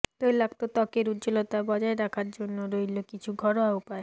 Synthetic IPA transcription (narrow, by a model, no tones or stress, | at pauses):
t̪ojlaɡt̪ot̪ɔkeɾutd͡ʑolot̪abɔd͡ʑaeɾakʰaɾd͡ʑonːoɾojlokit͡ɕʰuɡʱɔɾoaupae